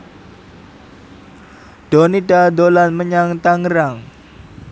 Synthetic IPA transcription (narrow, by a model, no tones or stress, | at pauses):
ɖ̥onidadolanməɲaŋt̪aŋɾaŋ